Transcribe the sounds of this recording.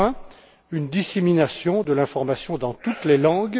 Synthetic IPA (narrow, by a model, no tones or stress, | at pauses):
ɛ̃ | ynd̪iseminasjɔ̃d̪əlɛ̃fɔʁmasjɔ̃d̪ɑ̃t̪ut̪lelɑ̃ɡ